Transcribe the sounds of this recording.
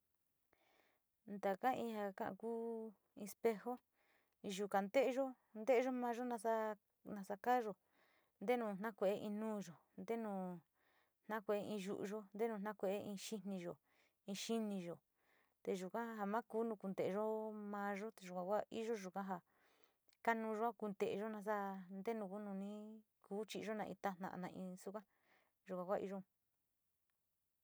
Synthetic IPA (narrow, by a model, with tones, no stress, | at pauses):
nd̪a˨ka˦ĩ˧ha˧kã̰˦ʔã̰˧kuː˦ | ĩ˧spe˧ho˦˧ | ʒu˨ka˨nd̪e˦ʔʒo˦ | nd̪e˦˧˦ʒo˦mãː˧˦ʒo˦nã˧sa˧ | nã˧sa˧ka˦ʒo˨ | nd̪e˦nũː˨˧˨n̥ã˦kʷe˧˨e˦ʔĩ˧nũː˦ʒo˨ | nd̪e˦nũː˧˨ | n̥nã˦kʷe˧˨e˦ĩ˧ʒṵ˧˨ʔṵ˧ʒo˦nd̪e˦nũ˧nã˦kʷe˧ʔe˦ĩ˧ʃi˦nĩ˧ʒo˨ | ĩ˧ʃi˦nĩ˧ʒo˨ | t̪e˧ʒu˨kã˦ɦa˧mã˦kuː˨˦nũ˧ku˧nd̪e˨˧ʒo˦mã˧˦ʒo˦t̪e˧˨ʒu˨kã˨˧kʷa˦ʔḭ˦ʒo˦ʒu˨kã˦ɦa˧ | ka˦nũ˧ʒo˦a˦ku˧nd̪e˨˧ʒo˦nã˧s̬a˦nd̪e˦nũ˧ku˦nũ˧nĩ˦kuː˨˦t͡ʃi˧˦˧ʒo˦nã˧ʔḭ̃˧t̪a˦n̥ã̰˧nã˧ĩ˧su˦kã˦ | ʒu˨˧kʷã˨kʷa˦˧ʔḭ˦ʒõ˦˧